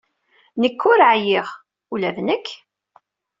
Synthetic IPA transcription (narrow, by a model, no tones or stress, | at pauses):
nəkːʊɾʕjɪʁ | ulævnəkː